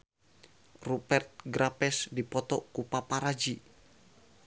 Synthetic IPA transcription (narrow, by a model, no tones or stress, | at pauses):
rupɛrt̪̚ɡɾʔapɛsdipɔt̪ɔkupapaɾad͡ʒi